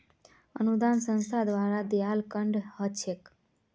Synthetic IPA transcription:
ənud̪ansə̃nst̪ʰad̪ʋaɾad̪jalkəɳɖhət͡ʃʰek

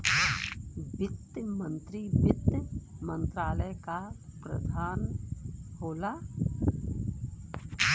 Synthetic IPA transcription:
ʋɪt̪mə̃nt̪ɾiʋɪt̪ːmə̃nt̪ɾaːləjkapɾə̰d̪ʱaːn | hoːla

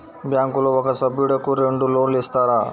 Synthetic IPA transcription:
bjaːŋkuloʋɐkɐsɐbiɽɐkuɾeɳɖuloːnlist̪aːɾaː

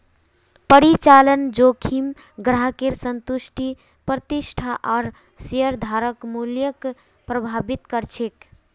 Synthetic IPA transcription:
pəɾit͡ʃalənd͡ʒokʰim | ɡɾaɦkeɾsənt̪uʃʈi | pɾət̪isʈʰaʔɔɾ | siəɾd̪ʱaɾəkmuljək | pɾəbʱabit̪kəɾt͡ʃʰek

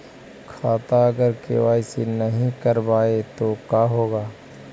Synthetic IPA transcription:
kʰaːt̪aɐɡəɾkḛʋaːjsenɐɦĩkɐɾbaːet̪okaːɦoːɡaː

